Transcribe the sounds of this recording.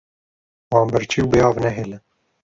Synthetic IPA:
wɑːmbəɾt͡ʃʰiwbejɑːvnɛɦelɨ

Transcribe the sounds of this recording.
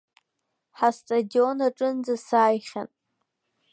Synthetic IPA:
ħastʼadio̞naʈ͡ʂʼɨnd͡zasaːjχʲa̰n

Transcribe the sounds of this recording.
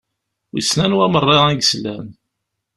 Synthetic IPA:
wisnænwæmərˤːeʁæɡslæn

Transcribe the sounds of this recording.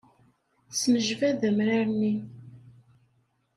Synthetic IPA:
sməʒvæðæmɾaɾni

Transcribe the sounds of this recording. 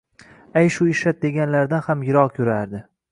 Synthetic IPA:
ajʃʊɪʃat̪̚d̪e̞ɡʲanlaɾd̪anhamjɪɾɒʁkʲʰɵɾaɾd̪ɪ

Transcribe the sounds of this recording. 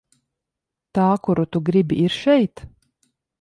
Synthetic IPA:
t̪aːkuɾut̪uɡɾibiiɾʃɛjt̪

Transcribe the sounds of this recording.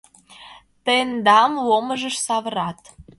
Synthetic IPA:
t̪end̪ɑmwoməʒə̆ʃsɑβəɾɑt̪

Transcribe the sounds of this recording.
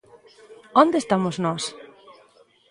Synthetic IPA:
ond̪est̪amoznɔs

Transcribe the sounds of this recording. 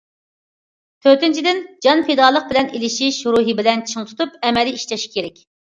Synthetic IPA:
t̪ʰøɾt̪ɪnt͡ʃʰid̪ɪnd͡ʒɑnpʰed̪ɑːlˠəq̚bɪlɛnelɪʃiʃɾuɦɨbɪlɛnt͡ʃʰɨŋt̪ʰu̥t̪upɛmɛliiʃt͡ʃ̪ʰɛʃi̥kʲʰeɾɛkʲ

